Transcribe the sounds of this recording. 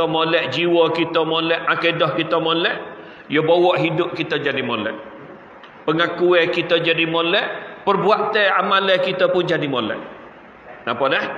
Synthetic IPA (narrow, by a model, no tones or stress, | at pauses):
əmolɛʔd͡ʒiwɔkit̪əmolɛʔakedɔhkit̪əmolɛʔ | jəbowɔʔɦidʊp̚kit̪əd͡ʒadimolɛ̰ʔ | pəŋakuɛkit̪əd͡ʒadimolɛʔpərbuaʔt̪əamalɛkit̪əpʊnd͡ʒadimolɛ̰ʔ | napɔdɛh